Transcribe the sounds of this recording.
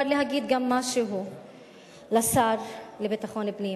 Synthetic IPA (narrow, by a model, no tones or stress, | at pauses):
aɾleɦaɡid̪ɡamːaʃeɦu | lasaɾlebit̪aχo̞nlebni